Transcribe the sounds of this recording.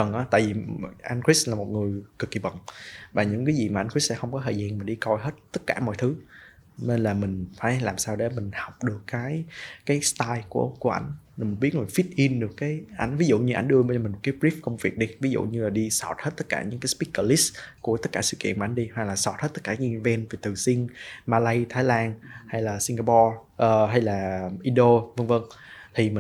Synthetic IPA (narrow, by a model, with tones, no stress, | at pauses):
və˨˩ŋʔaː˨˦t̪a̰ː˧˨jvi˨˩ʔa˧nki˦˥slaː˨˩mo˨˩ŋɨ˨˩əjkɨ˨˩kːi˨˩ɓə̰˨˩ŋvaː˨˩ɲɨ̰˧˥ŋkaː˨˦jzi˨˩maː˨˩ʔa˧nkwi˦˥s̚sɛ̰˧˥xə˧wŋ͡mkɔ˨˦t̪ʰəː˨˩zaː˧ŋmaː˨˩ɗi˧kɔ˧jɦe˦˥t̚t̪ə˦˥t̚kaː˧˩mɔ̰˧˨jt̪ʰɨ˨˦ | ne˧nlaː˨˩mï˨˩ŋ̟faː˧˩jlaː˨˩msaː˧wɗe˧˩mï˨˩ŋ̟ha˨˩wk͡p̚ɗɨ˨˩əkːaː˨˦jkaː˨˦jst̪aː˧jku˧˩əku˧˩əʔa̰˧˩jŋ̟˨˩m˨˩ɓi˦˥t̚mï˨˩n̟fi˦˥t̚ʔi˧nɗɨ˨˩əkːaː˨˦jʔa̰˨˩˦jŋ̟vi˨˦zṵ˧˨ɲɨ˧ʔa̰˧˩jŋ̟ɗɨ˧ə˧mː˧mi˨˩m˨˩t̚kːaː˨˦jbɾi˦˥f̚kə˧wŋ͡mvi˨˩ək̚ɗi˧vi˨˦zṵ˧˨ɲɨ˧laː˨˩ɗi˧sɔ˧˩t̚hə˦˥t̚t̪ə˦˥t̚kaː˧˩ɲɨ̰˧˥ŋkaː˨˦spi˦˥kə˧li˦˥sku˧˩ət̪ə˦˥t̚kaː˧˩sɨ̰˧˨kḭ˧ənma˨˩ʔa˨˦i˧hwa˨˩k̚laː˨˩sɔ˧˩t̚hə˦˥t̪̚ːkaː˧˩ɲɨ˧vɛ˧nve˨˩t̪ɨ˨˩sï˧ŋmaː˧lə˧jt̪ʰaː˨˦jlaː˧nha˧jlaː˨˩si˧ŋɡaː˧pɔ˧ | ʔəː˨˩ɦa˧jlaː˨˩ʔi˧ɗo˧və˧ŋvə˧ŋt̪ʰi˨˩mi˨